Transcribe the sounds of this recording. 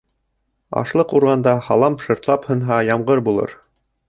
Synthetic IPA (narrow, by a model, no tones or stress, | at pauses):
ɑ̰ʃlˠɤquɾʁɑnd̪ɑhɑlˠɑmʃɤ̆ɾt̪lˠɑphɤ̆nɦɑjɑmʁɤɾbulˠɤ̰ɾ